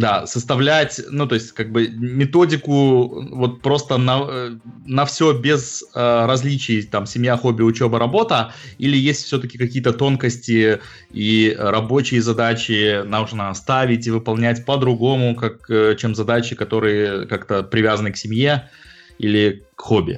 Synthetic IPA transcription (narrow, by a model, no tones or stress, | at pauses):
d̪asəst̪ɐvlʲætʲnut̪o̞ɪsʲtʲkaɡ̚bɨmʲɪt̪o̞dʲɪkʊvo̞t̪̚pɾo̞st̪ənə | nɐfsʲo̞bʲɪzəɾɐzʲlʲit͡ɕɪjt̪amsʲɪmʲjaxo̞bʲɪʊt͡ɕe̞bəɾɐbo̞t̪əilʲɪjesʲtʲfsʲɵt̪əkʲɪkɐkʲijət̪ət̪o̞nkəsʲtʲɪ | iɾɐbo̞t͡ɕɪjəzɐd̪at͡ɕɪnaʐnəɐst̪avʲɪtʲivɨpɐlˠnʲætʲpəd̪ɾʊɡo̞mʊkakət͡ɕemzɐd̪at͡ɕɪkɐt̪o̞ɾɨjəkakt̪əpɾʲɪvʲazənɨksʲɪmʲje̞ | ḭlʲɪkxo̞bʲɪ̰